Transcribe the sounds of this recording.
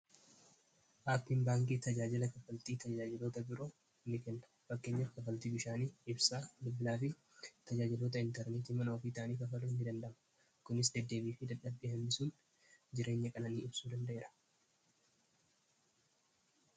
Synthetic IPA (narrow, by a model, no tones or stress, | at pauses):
ʔaːpːɪmbaːŋk̬ʼiːt̪ɐd͡ʒaːd͡ʒɪlɐkɐfɐlt̪iːt̪ɐd͡ʒaːd͡ʒɪlo̞ːt̪ɐbɪɾo | nːɪkɛnːɐ̥ | fɐkːe̞ːɲːɐkɐfɐlt̪iːbɪʃaːniːɪbsaːd̪ʊbːɪlaːfɪ | t̪ɐd͡ʒaːd͡ʒɪloːt̪̬ɐɪnt̪ɛɾneːt̪iːmɐnɐofiːt̪aːniːkɐfɐlunːɪd̪ɐnd̪ɐmɐ̥ | kʊnɪs̬d̪ɛd̪ːe̞ːbiːfɪd̪ɐᶑɐbeːhɐmːɪsuːn | d͡ʒɪɾe̞ːɲːɐkʼɐnɐniːɪbsuːd̪ɐnd̪ɐʔe̞ːɾɐ̥